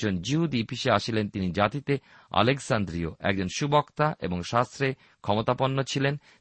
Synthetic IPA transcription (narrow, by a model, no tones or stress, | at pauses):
ond͡ʑiɦud̪ipiʃeaʃilent̪inid͡ʑat̪it̪e | a̰leksand̪ɾioɛ̰k̚d͡ʑonʃubokt̪aʔḛboŋʃast̪ɾe | kʰɔmot̪aponːot͡ɕʰilen